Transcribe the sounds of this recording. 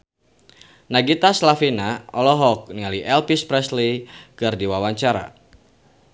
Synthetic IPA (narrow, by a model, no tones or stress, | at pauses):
naɡit̪aslafinaɔlɔɦɔk̚nialiʔɛlpispɾɛslikɨrdiwawaɲt͡ʃaɾa̰